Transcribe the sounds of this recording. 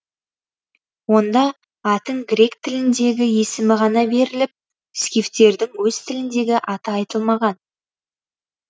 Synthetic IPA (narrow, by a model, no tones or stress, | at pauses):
wo̞nd̪ɑ | ɑt̪əɴɡɾe̞k̚t̪ʰɪlɪnd̪e̞ɡʲɪje̞sɪmɪʁɑnɑbe̞ɾɪlɪp̚ | skʲift̪e̞ɾd̪ɪŋwɵz̥t̪ʰɪlɪnd̪e̞ɡʲɪʔɑt̪əɑjt̪əlˠmɑʁɑn